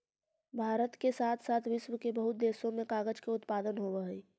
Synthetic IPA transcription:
bʱaːɾət̪kesaːt̪ʰsaːt̪ʰʋɪʃwəkebəɦʊt̪̚d̪eːsõmẽkaːɡəd͡ʒkeʊt̪paːd̪ənɦoːʋəɦeː

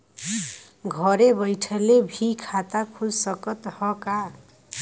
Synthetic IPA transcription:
ɡʱʌɾebʌjʈʰʌlebʱikʰat̪akʰud͡zsʌkʌt̪hʌka

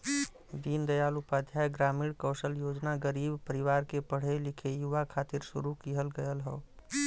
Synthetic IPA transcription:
b̪iːnd̪əjaːlʊpaːd̪ʱjaːjɡɾaːmiːɽkəːʃəljoːd͡ʒnaɡəɾiːbpəɾɪʋaːɾkepəɽ̤elɪkʰejʊʋakʰaːt̪ɪɾʃʊ̰ɾukiɦəlɡəjəlɦo̰ː

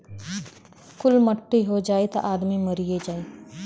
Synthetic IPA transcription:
kʊlməʈːiɦod͡ʒaːet̪a̰ʔaːd̪miməɾijed͡ʒaːe

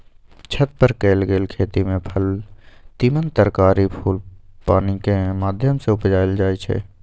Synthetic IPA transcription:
t͡ʃʰət̪̚pəɾkeːlɡeːlkʰeːt̪imẽpʰəlt̪iːmənt̪əɾkaːɾipʰuːlpaːnikemaːd̪ʱjəmseʊpd͡ʒaːeld͡ʒaːit͡ʃʰɛ̰ː

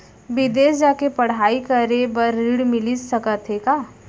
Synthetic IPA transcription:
bɪd̪eːsd͡ʒaːkepɐɽ̤aːikɐɾebəɾːiːɽmɪlisɐkət̪ɦekaː

